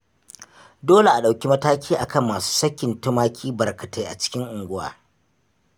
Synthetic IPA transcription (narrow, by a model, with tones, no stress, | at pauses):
doː˦le˨ʔa˨ɗa˨wkʲi˦mɐ˦taː˦kʲiː˦ʔa˨kɐ˦˨mːaː˨su̥ː˦sɐ˦kʲːɪ˨ntʊ˦maː˦kʲʰiː˦bɐ˨rkɐ˨ta˦jʔa̰˨t͡ʃɪ̥˦kʲɪ˦ŋʔʊ˨ŋɡʷʊ˦wa̰ː˦